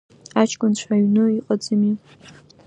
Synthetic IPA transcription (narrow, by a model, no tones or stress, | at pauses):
at͡ʃʰkʷʼʊnt͡ɕʷʰaɥnɨiqʼad͡zɨmi